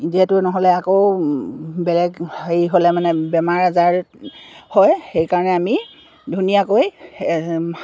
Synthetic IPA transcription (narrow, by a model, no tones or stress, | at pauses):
ziɛtʊnɔɦɔlɛakow | bɛlɛɡejɦolɛmanɛbɛmaɹazaɹ | hɔjxejkaɹɔnɛami | dʱunijakoj